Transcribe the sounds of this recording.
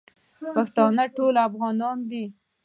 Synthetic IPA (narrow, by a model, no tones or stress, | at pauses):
paxt̪ɑnəʈolafɣɑnɑnd̪i